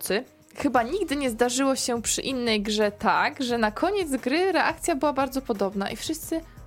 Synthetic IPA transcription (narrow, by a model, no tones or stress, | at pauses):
sɘ | xɘbaɲiɡd̪ɘɲɛzd̪aʐɘwɔɕɛpʂɘ̰ʔinːɛjɡʐɛt̪aɡʐɛnakʰɔɲɛd̪zɡɾɘɾɛʔakt̪sʲjabɘwabaɾd̪zɔpɔd̪ɔbna̰ʔifʂɘst̪sɘ